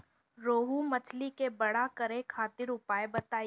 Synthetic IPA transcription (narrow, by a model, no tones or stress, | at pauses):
ɾoːɦumɐt͡ʃʰlikebɐɽ̤akɐɾẽkʰaːt̪ɪɾʊpaːebɐt̪aːi